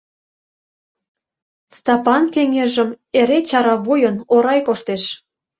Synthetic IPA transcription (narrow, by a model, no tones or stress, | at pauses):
st̪ɑpɑnkeŋeʒə̆m | eɾet͡ɕɑɾɑβujənoɾɑjkoʃt̪eʃ